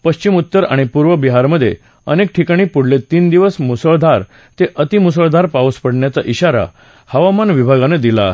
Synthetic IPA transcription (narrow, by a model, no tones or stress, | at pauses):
pəɕt͡ɕimut̪ːəɾa̰ɽ̃ipuɾʋəbiɦaɾməd̪ʱjḛ | ənek̚ʈʰikaɽ̃iːpuɽ̤let̪iːnd̪iʋəsmusəɭd̪ʱaɾ | t̪eʔət̪imus̬əɭd̪ʱaɾpauspəɽɳjat͡saʔiɕaɾa̰ | həʋamanʋibʱaɡaned̪ila̰